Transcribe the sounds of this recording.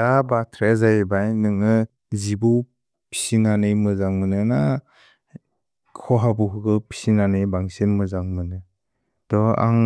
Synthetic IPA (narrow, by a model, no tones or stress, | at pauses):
abatʰɾezajebajnɯŋɯ | zibu | pʰi̥sinanɯjmɯzaŋmɯnɯna | kʰɔɦabuɦɯɡɯpʰi̥sinanɯjbaŋsinmɯzaŋmɯnɯ | d̥ɔa̰ŋ